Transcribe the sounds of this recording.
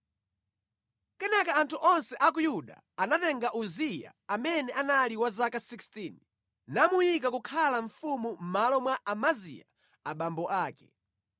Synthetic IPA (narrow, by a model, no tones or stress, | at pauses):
kɛnɛkaantʰuʔɔnsɛʔak̬ujuɗa̰ | anatɛŋɡaʔuzija̰amɛnɛʔanaliwazakasikstin | namujik̬akukʰalaɱfumum̩malɔmwaʔamazḭja̰ | aɓambɔʔaːkɛ